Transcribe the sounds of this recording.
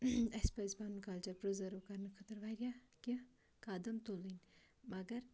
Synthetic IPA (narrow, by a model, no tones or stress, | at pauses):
ɐspɐzbanunkɐlt͡ʃɐɾpɾəzəɾəkɐɾnɨkʰɐt̪əɾʋaːɾja | ki | kaːd̪ɐmt̪olinʲ | mɐɡɐɾ